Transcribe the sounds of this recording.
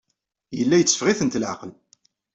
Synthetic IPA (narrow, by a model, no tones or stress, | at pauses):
jəlːæjət͡sːə̥fʁiθənt̪lʕa̰qəl